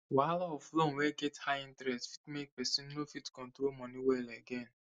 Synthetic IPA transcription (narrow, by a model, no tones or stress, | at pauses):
walɔɔflõwɛɡɛthajĩntɾɛstfi̥tmek̚pɛsĩnnofitkɔ̃ntɾolmɔ̃nĩwɛlɛɡɛ̃n